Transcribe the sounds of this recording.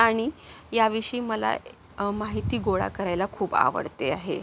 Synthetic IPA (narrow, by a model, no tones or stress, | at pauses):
aɽ̃ijaʋiʂiːməla̰ | maɦit̪iːɡoɭa̰kəɾajlakʰuːpa̰ʋə̰ɽt̪eaɦḛ